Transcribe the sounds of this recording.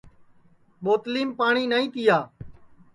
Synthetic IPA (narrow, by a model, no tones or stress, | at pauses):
ɓoːt̪liːmpaːɳiːnaːĩːt̪ɪjaː